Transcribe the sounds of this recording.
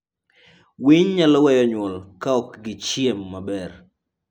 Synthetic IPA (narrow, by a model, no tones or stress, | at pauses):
wiɲɲalɔwɛjɔɲwɔlkaɔkɡɪt͡ʃjemːabɛr